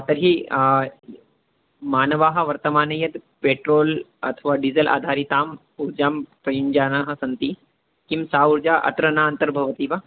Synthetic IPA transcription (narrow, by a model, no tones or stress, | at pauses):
t̪ɐɾɦi | maːnɐʋaːɦɐ̆ʋɐɾt̪ɐmaːnɐjɐd̪peːʈɾoːlɐ̰t̪ʰəʋaːɖizɐlʔa̰ːd̪ʱaːɾit̪aːm | uɾd͡ʒaːmpɾɐjuɲd͡ʒaːnaɦɐ̆sɐnt̪i | kimsaːuɾd͡ʒaːʔɐ̰t̪ɾɐnaːnt̪ɐɾbʱɐʋɐt̪iʋa